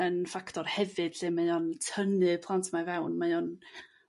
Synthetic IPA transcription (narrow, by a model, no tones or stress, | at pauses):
ənfaktʰɔrhɛvɨd̥ɬɪmajɔntʰənɨpʰlˠantʰmavawnmajɔn